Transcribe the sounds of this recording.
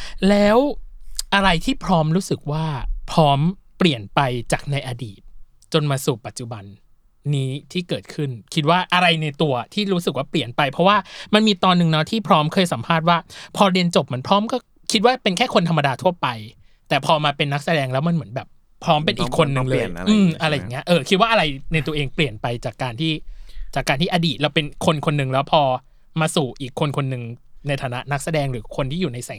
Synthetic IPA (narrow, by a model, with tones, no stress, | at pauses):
lɛː˦˥wʔa˧ɾa˧jt̪ʰiː˥˩pʰɾɔː˦˥mɾuː˦˥sɯ˨˩k̚waː˥˩pʰɾɔː˦˥mpli˨˩ənpa˧jt͡ɕaː˨˩k̚na˧jʔa˧diː˨˩t̪̚ | t͡ɕo˧nmaː˧suː˨˩pa˨˩t̪̚t͡ɕu˨˩ba˧nː | iː˦˥t̪ʰiː˥˩kɤː˨˩t̪̚kʰɯ˥˩nkʰi˦˥t̪̚waː˥˩ʔa˧ɾa˧jna˧jt̪u˧ɐt̪ʰiː˥˩ɾuː˦˥sɯ˨˩k̚waː˥˩pli˨˩ənpa˧jpʰɾɔ˦˥waː˥˩ma˧nmiː˧t̪ɔː˧nːɯ˨˧ŋnɔ˦˥t̪ʰiː˥˩pʰɾɔː˦˥mkʰɤː˧jsa˩˦mpʰaː˥˩t̪̚waː˥˩pʰɔː˧ɾi˧ənt͡ɕo˨˩p̚ma˩ənpʰɾɔː˦˥mkɔː˥˩ | kʰi˦˥t̪̚waː˥˩pe˧nkʰɛː˥˩kʰo˧nt̪ʰa˧mːa˧daː˧t̪ʰu˥˩ɐpa˧j | t̪ɛː˨˩pʰɔː˧maː˧pe˧nːa˦˥k̚sa˧dɛː˧ŋlɛː˦˥wma˧nmɯ˩˦nbɛː˨˩p̚ʰː | ɾɔː˦˥mpe˧nʔiː˨˩kʰːo˧nːɯ˨˧ŋlɤː˧jʔɯː˧mʔa˧ɾa˧jːa˨˩ŋːi˦˥ɐʔɤː˧kʰi˦t̪̚waː˥˩ʔa˧ɾa˧jna˧jt̪u˧ɐʔeː˧ŋpli˨˩ənpa˧jt͡ɕaː˨˩kːaː˧nt̪ʰiː˥˩t͡ɕaː˨˩kːaː˧nt̪ʰiː˥˩ʔaː˧diː˨˩t̪̚lɛ˦˥wpe˧nkʰo˧nkʰo˧nːɯ˨˩ŋlɛː˦˥wpʰɔː˧ | maː˧suː˨˩ʔiː˨˩kʰːo˧nkʰo˧nːɯ˧ŋna˧jt̪ʰaː˨˩˦na˦˥ʔna˦˥k̚sa˧dɛː˧ŋɾɯː˩˦kʰo˧nt̪ʰiː˥˩juː˨˩na˧jsɛ˨˩˦ŋ